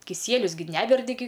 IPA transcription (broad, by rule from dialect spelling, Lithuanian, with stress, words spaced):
kʲɪˈsʲiɛlʲʊs ɡʲɪ ˈnʲæːʋʲɛrʲdʲɪ ɡʲɪ